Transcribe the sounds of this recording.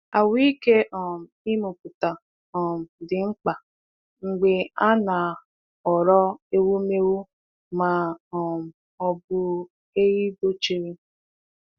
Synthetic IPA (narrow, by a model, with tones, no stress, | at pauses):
a˨wi˦ke˦ʔɔ˨m̩˨i˦mu˨pu˨ta˨ | ɔ˨m̩˨dɪ˨ŋ͡m̩˦k͡pa˨ | ŋ͡m̩˨ɡ͡be˨a˦na˨ | ɔ˨ɾɔ˦e˦wu˦me˦wu˦ | ma˨ɔ˨m̩˨ | ɔ˦bʊ˦ | e˦ji˦bo˦t͡ʃi˦ɾi˦